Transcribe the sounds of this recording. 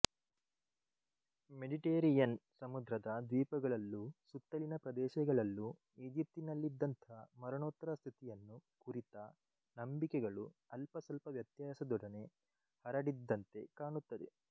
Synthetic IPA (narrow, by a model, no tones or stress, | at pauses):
meɖiʈeːɾijɐnsɐmud̪ɾɐd̪ɐd̪ʋiːpɐɡɐɭɐlːusut̪ːɐlinɐpɾɐd̪ɛːʃɛɡɐɭɐlːu | iːd͡ʒip̚t̪inɐlːid̪ːɐnt̪ʰɐɦɐmɐɾɐɳoːt̪ːɐɾɐst̪ʰit̪ijɐnːukuɾit̪ɐ | nɐmbikɛɡɐɭuɐlpɐsɐlpɐʋjɐt̪jaːsɐd̪ɔɽɐne̞ | hɐɾɐɽid̪ːɐnt̪e̞kaːɳut̪ːɐd̪e